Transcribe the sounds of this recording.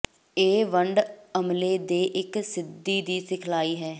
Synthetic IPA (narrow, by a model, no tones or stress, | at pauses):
eːʋəɳɖəmleːd̪eːʔɪksɪd̪ːiːd̪iːsɪkʰlaːiːɦɛː